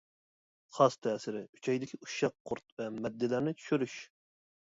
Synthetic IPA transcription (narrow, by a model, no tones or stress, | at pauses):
χɑst̪ʰɛːsɪɾɪy̥t͡ʃʰɛjd̪ɪkʲʰiʔuʃɑqʰːʊɾt̪̚vɛmɛd̪ːɪlæɾnɪt͡ʃ̪ʰy̥ʃyɾyʃ